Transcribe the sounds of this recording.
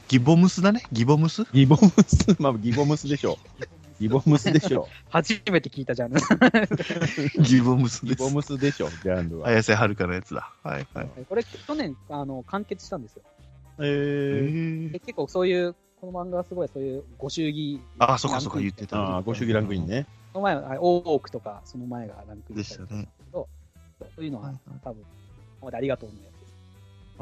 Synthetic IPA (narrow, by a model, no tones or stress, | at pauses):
ɡ̥ʲibo̞mɯ̟sɨd̪ane̞ɡʲibo̞mɯ̟sɨɡʲibomɯ̟sɨmaɡʲibo̞mɯ̟sɨd̪e̞ɕo̞̰ː | ɡʲibo̞mɯ̟sɨd̪eɕo̰ | haʑiime̞t̪e̞kʲiːt̪ad͡ʑãnd̪ɯ | ɡʲibomɯ̟sɨd̪eomɯ̟sɨd̪e̞ɕo̞̰d͡ʑãnd̪ɨβaajaseɦaɾɯ̟kanajat͡sɨd̪a̰ha̰iha̰ko̞ɾe̞kkʲːo̞nẽ̞ŋano̞kãŋke̞t͡sɨ̥ɕi̥t̪ãnd̪esɨjoeː | d̪eke̞kːoːso̞ːjɯː | ko̞no̞mãŋɡaβasɨɡo̞iso̞ːjɯ̟ːɡo̞ɕɨːɡʲiaːsokːasokːajɯt̪ːet̪ãːɡo̞ɕɨːɡʲiɾãŋkɯ̟ɲĩɲnesonomaeahajo̞ːkɯ̥t̪o̞kaso̞no̞mae̞ɡa̰ɾãŋkɯ̟id̪esanaeḁked̪o̞ | soːsoːjɯ̟noɡat̪abɯ̟̃n | omad̪eaɾʲiɡat̪o̞ːnajat͡sɨd̪